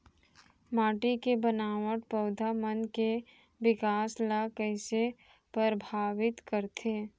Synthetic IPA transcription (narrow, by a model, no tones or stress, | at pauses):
maːʈikebənaːʋəʈpəʊd̪ʱamənke | ʋɪkaːslakəɪse | pəɾbʱaːʋɪt̪kəɾt̪ʰeː